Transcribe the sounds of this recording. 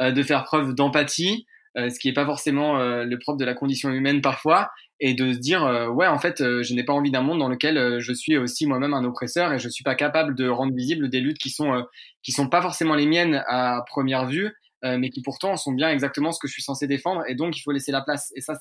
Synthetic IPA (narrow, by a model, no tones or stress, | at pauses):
ød̪əfɛʁpχœvd̪ɑ̃pat̪ʰi | øsə̥kʲiɛpafɔʁsemɑ̃øləpχɔpd̪əlakɔ̃d̪isjɔ̃ymɛnpaʁfwa | ed̪əd̪iʁøwɛɑ̃fɛt̪øʒənepaɑ̃vid̪ɛ̃mɔ̃d̪ːɑ̃ləkʲɛløʒəsɥiosimwamɛmɛ̃nopχesœʁeʒənsɥipakapabləd̪əʁɑ̃d̪ʁəvizibld̪elyt̪kʲisɔ̃økʲisɔ̃pafɔʁsemɑ̃lemjɛnapχəmjɛʁvy | ømɛkʲipuʁt̪ɑ̃sɔ̃bjɛ̃ɛɡzak̚t̪əmɑ̃sə̥kəʒəsɥisɑ̃sed̪efɑ̃d̪ʁed̪ɔ̃k̬ilfoleselaplasesa